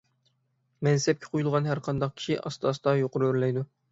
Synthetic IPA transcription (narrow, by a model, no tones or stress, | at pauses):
mɛnsɛp̚kʲʰɛ̥qʰojulˠʁɑnɦæɾqʰɑnd̪ɑq̚kʲʰi̥ʃiʔɑ̰st̪ɑst̪ɑjoqʊɾuøɾlɛjd̪u